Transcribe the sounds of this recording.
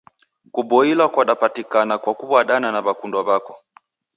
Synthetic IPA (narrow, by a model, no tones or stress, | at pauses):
kuɓɔilakwaɗapatikanakwakubwaɗananaβakundwaβakɔ